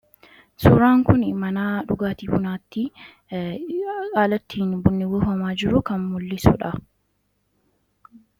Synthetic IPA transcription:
sʊɾaːŋkʊnɪmɐnaːᶑʊɡaːt̪iːfʊnaːt̪ːi | kʼaːlɐt̪ʰːiːnbʊnːɪwɪfɐmaːd͡ʒɪɾʊkɐnmʊlːɪsʊ̰ᶑɐ

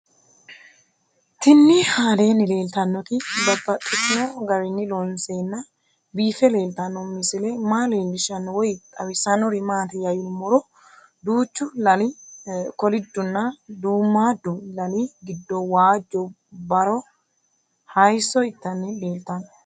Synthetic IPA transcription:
t̪ɪnːɪhaːdeːnːɪle̞ːlt̪ɐnːɔt̪ɪdɐbːɐt̪ʼːɪt̪nɔɡɐɾɪnːɪlɔnseːnːɐ | biːfɛle̞ːlt̪ɐnːɔmɪsɪlɛmaːleːndɪʃɐnːɔwɔjt̪ʼɐwɪsɐnɔɾɪmaːt̪ɛjɐjɪlmɔɾɔ | d̪uːt͡ʃːʊlɐlɪkɔlɪd̪ːʊnːɐd̪uːmːad̪ʊlɐliɡɪd̪ːɔwaːd͡ʒːɔ | bɐɾɔ | hɐjsɔɪt̪ːɐnːɪle̞ːlt̪ɐnːɔ

